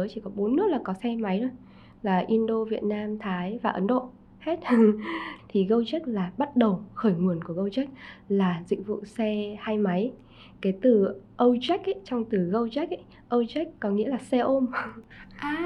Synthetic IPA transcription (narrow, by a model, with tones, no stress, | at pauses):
əː˨˦t͡ɕi˧˩kɔ˨˦ɓo˨˦nːɨ˦˥k̚laː˨˩kɔ˨˦sɛ˧ma˨˦jɗo˧j | laː˨˩ʔi˧nɗo˧vi˨˩ət̚naː˧mt̪ʰaː˨˦jvaː˨˩ʔə˨˦nɗo̰˧˨ | he˦˥t̚ | t̪ʰi˨˩ɣə˧wt͡ɕa˦˥k̟̚laː˨˩ɓa˦˥t̚ɗə˨˩wxəː˧˩jŋu˨˩ənku˧˩əɣə˧wt͡ɕa˦˥k̟̚laː˨˩zḭ˧˨ŋ̟vṵ˧˨sɛ˧haː˧jma˨˦j | ka˨˦jt̪ɨ˨˩ʔə˧wt͡ɕa˦˥jk̟̚ʔə˦t͡ɕɔ˧wŋ͡mt̪ɨ˨˩ɣə˧wt͡ɕa˦˥k̚ʔ | ʔə˧wt͡ɕa˦˥k̟̚kɔ˨˦ŋḭ˧˥əlaː˨˩sɛ˧ʔo˧mʔaː˨˩